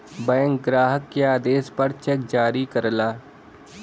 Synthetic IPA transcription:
bɛ̃ːŋk̚ɡɾaːɦəkːjaːd̪eːspəɾt͡ʃɛk̚d͡ʒaːɾiːkəɾlaː

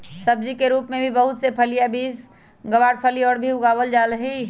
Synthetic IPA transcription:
səb̚d͡ʒikeɾuːpmẽbʱibəɦʊt̪sepʰəlijabiːs | ɡəʋaːɽpʰəliɔːɾbʱiʊɡaːʋəld͡ʒaːləɦi

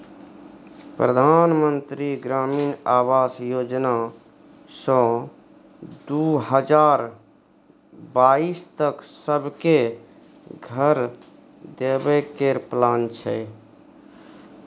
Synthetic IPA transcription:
pɾəd̪ʱanmənt̪ɾiɡɾaminabasjod͡ʒna | sɔ̃ | d̪uɦəd͡ʒaɾ | baist̪əksəbʱke | ɡʱəɾ | d̪ebɛkeɾplant͡ʃʰɛ

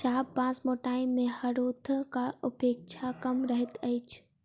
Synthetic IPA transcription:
ʃaːbpãsmoʈaːĩmẽhəɾot̪ʰkaʊpeːk̚t͡ʃʰakəmɾəɦɛt̪əjt͡ʃʰ

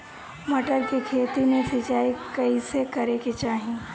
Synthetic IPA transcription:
mɐʈəɾkekʰeːt̪imẽsɪt͡ʃaːikɐisekɐɾeket͡ʃaːɦĩ

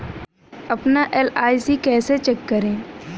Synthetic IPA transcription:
ɐpnaʔelaːisikɛːset͡ʃekːəɾẽː

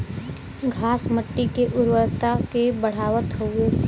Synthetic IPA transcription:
ɡʱaːsməʈːikeʔʊɾwəɾt̪akebəɽ̤aːʋət̪ɦoe

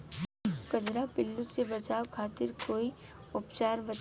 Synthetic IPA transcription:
kɐd͡ʒɾapɪlːusebɐt͡ʃaːwkʰaːt̪ɪɾkoːi | ʊpt͡ʃaːɾbɐ

